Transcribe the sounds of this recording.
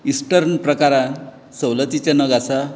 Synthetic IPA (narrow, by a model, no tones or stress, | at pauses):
isʈəɾnpɾəkaɾã | səwlət̪it͡ɕanʌɡasa